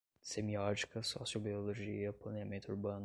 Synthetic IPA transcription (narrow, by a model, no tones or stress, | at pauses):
semiɔd͡ʒi̥kɐsɔ̰sjobioloʒiɐplɐneɐmẽnt̪ʊuɾbɐ̃nʊ